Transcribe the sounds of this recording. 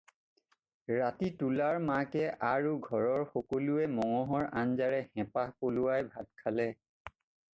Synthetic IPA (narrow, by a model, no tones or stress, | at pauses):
ɹatitulaɹmakɛʔaɹuɡʱɔɹɔɹxɔkoluɛmɔŋɔɦɔɹanzaɹɛxɛ̃pahpolʊwajbʱad̚kʰalɛ